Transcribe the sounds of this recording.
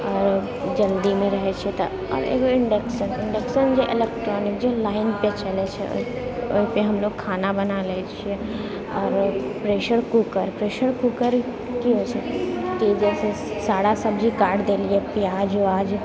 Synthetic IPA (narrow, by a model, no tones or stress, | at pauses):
ɔːɾ | d͡ʒɐld̪imẽɾɐɦet͡ʃʰet̪ | ɔ̰ːɾḛːkoɪɳɖeksənɪ̃ɳɖeksənd͡ʒeʔɪlekʈɾɔːnɪkd͡ʒelaːɪnpet͡ʃɐlet͡ʃʰɛ̰ | ʊpeɦɐmloːɡ̚kʰaːnabɐnaleːt͡ʃʰie | ɔːɾpɾeːʃəɾkukəɾpɾeːʃəɾkukəɾ | kiɦoːt͡ʃʰekid͡ʒɛːse | saːɽasɐbd͡ʒʱikaːɾɖd̪eːliepijaːd͡ʒoaːd͡ʒ